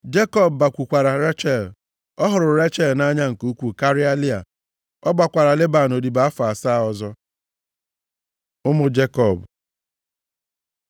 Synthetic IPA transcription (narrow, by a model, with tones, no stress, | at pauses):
d͡ʒe˦kɔ˦bːa˨kʷu˨kʷa˨ɾa˨ɾe˦t͡ʃɛ˨l | ɔ˦ɦʊ˨ɾʊ˨ɾe˦t͡ʃɛ˦˨lna˦ɲa˦ŋ̩˨ku˨˦kʷu˨ka˦ɾi˦a˦li˦a̰˨ | ɔ˦ɡ͡ba˨kʷa˨ɾa˨le˦ba˨no˨di˨ba˨˦a˦fa˨a˨sa˦ɔ˨zɔ˦ | ʊ˦mʊ˦d͡ʒe˦kɔ˨b